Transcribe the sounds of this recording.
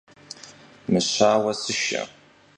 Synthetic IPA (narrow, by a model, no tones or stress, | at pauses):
mɨɕaːwɐsɨʃɐ̰